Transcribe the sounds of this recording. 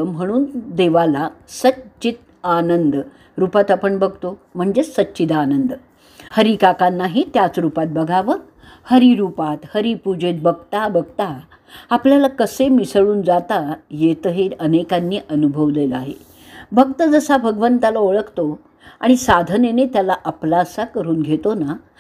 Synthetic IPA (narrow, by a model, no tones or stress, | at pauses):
m̤əɽ̃uːnd̪eʋalasətt͡ɕit̪̚ | anənd̪ | ɾupat̪apəɳbəɡʱt̪om̤əɳd͡zesətːɕit̪anənd̪ | həɾikakanːaɦit̪jat͡sɾupat̪̚bəɡʱaʋə | həɾiɾupat̪həɾipud͡ʑet̪̚bʱəɡ̚t̪abəɡt̪a | apljalakəsemisɭuːnd͡zat̪ajet̪əɦeənekanːiːʔənubʱəʋleləaɦḛ | bʱəɡ̚t̪əd͡zəsabʱəɡəʋənt̪alaoɭəkt̪o | a̰ɽ̃isad̪ʱənenet̪jalaʔaplasakəɾuːnɡʱet̪ona